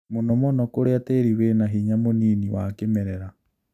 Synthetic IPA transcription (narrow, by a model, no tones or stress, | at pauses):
monɔmɔnɔkoɾeatɛɾiwenaɦiɲamoniniwakemɛɾɛɾa